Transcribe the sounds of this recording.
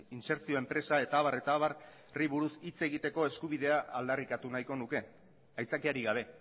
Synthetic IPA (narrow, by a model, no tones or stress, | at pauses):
inse̞ɾt͡sio̞e̞mpɾe̞sae̞t̪aːβare̞t̪aːβar | riβuɾusit͡se̞ɣ̞it̪e̞ko̞e̞skuβið̞e̞aʔːld̪arikat̪unajko̞nuke̞ | ajt͡sakiaɾiɣaβ̞e̞